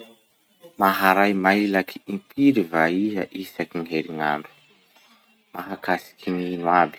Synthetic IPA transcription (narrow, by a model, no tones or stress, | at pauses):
maɦaɾajmailakʰiimpiɾivaiɦaʔisakiŋɦeɾiŋaɳɖ͡ʐu̥ | maɦakasi̥kʰininwabi̥